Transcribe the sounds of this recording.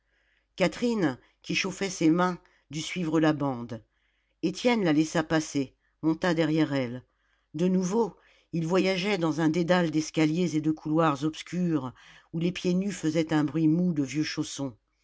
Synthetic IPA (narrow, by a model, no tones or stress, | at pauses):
kat̪χin | kʲiʃofɛsemɛ̃ | d̪ysɥivʁəlabɑ̃d̪ | et̪jɛnlalɛsapase | mɔ̃t̪ad̪ɛʁjɛʁɛl | d̪ənuvo | ilvwajaʒɛd̪ɑ̃zɛ̃d̪ed̪ald̪ɛskʲaljezed̪əkʰulwaʁzɔpskʲyʁ | ulepjenyfəzɛt̪ɛ̃bʁɥimud̪əvjøʃosɔ̃